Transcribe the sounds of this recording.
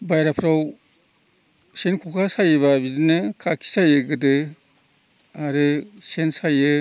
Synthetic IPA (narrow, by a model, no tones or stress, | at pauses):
bajɾapʰɾaw | senkʰɔkʰasajɯβabidɯnɯkʰakʰi̥sajɯɡɯdɯ | aɾɯsensajɯ